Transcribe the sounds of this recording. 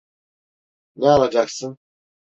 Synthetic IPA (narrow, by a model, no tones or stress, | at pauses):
nɛalˠad͡ʒaksɯn